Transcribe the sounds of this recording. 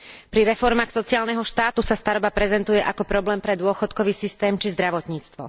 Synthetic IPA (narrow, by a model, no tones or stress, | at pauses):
pɾiɾɛfɔɾmaːxsɔt͡siaːlnɛɦɔʃt̪aːt̪usast̪aɾɔbapɾɛzɛnt̪ujɛʔakɔpɾɔblɛːmpɾɛd̪ʊɔxɔt̪kɔʋiːsist̪ɛːmt͡ʃizd̪ɾaʋɔt̪ɲiːt͡st̪ʋɔ̰